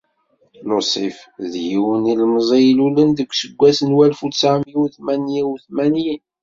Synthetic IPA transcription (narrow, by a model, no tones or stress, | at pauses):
losˤifðjiwənilmzˤijlulənd̪əkʷːsəɡʷːæsənwælfut͡sːaʕmwuθmænjiwθmænji